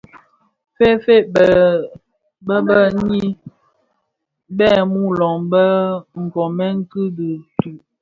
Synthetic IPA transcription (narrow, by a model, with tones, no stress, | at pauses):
fe˦fe˦˨ | bə˦bə˦ɲi˦ | bɛ˦˨mu˦lɔ˨ŋbə˦ŋ̩˨kɔ˨mɛ˦ŋ̩˦kɯ˦də˨tʉ˨